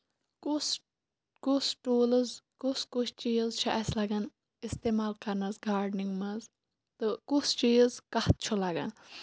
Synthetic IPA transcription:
kus | kusʈoːləzkuskut͡ʃʰt͡ʃijzt͡ʃʰɐʔɐslɐɡɐn | ist̪eːmaːlkɐɾnɐzɡaːɾɖniŋɡmɐz | t̪ɨkust͡ʃiːzkɐht̪̚t͡ʃʰulaɡɐ̰n

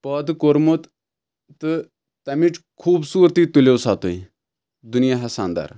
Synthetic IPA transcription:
pɐd̪koɾmut̪ | t̪ɨ | t̪ɐmiʈkʰuːbsuːɾt̪iːt̪ulewsaːt̪oi | d̪unijaɦɐsaːnd̪a̰ɾ

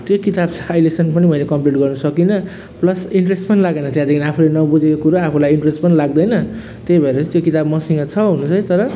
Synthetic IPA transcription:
t̪jokit̪abt͡sʰʌːjlesʌnpʌnimʌilekʌmpliʈɡʌrnʌsʌkinʌ | plʌsiɳʈresʈpʌnilaɡejnʌt̪jãd̪ekʰiniapʰulenʌbud͡zekokuɾaapʰulajiɳʈresʈpʌnilaɡd̪ʌjnʌ | t̪jejbʱʌeɾʌt͡st̪jokit̪abmʌsiŋʌt͡sʰʌɦunut͡sʰʌjt̪ʌɾʌ

